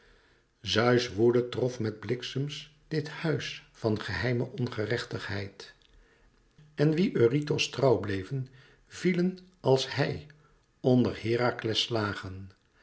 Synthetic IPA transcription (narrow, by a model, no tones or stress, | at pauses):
zœɥsʋuɹdətrɔfmɛd̚blɪksəms | d̥ɪthœɥsfɑnχəɦɛjməʔɔnχərɛχtəχɦɛjt | ɛnʋiʔøːritostrɑwblejvən | v̥ilənʔɑlˠsɦɛj | ɔndəɹhɪːraklɛslaːχən